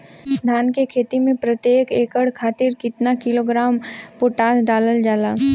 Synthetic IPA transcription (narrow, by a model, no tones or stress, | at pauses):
d̪ʱaːnkekʰeːt̪imẽpɾɐt̪jeːkeːkəɽkʰaːt̪ɪɾkɪt̪nakɪloːɡɾaːmpoʈaːd̪ɖaːləld͡ʒaːlaː